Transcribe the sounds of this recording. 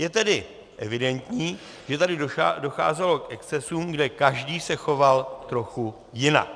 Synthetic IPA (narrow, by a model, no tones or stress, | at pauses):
jɛt̪ɛdɪ | ʔɛvɪdɛnt̪ɲiː | ʒ̥ɛt̪adɪdo̞xa̰ːzɛlo̞kʔɛkst͡sɛsuːmɡdɛkaʒdiːsɛxo̞valt̪ɾo̞xu | jɪna̰k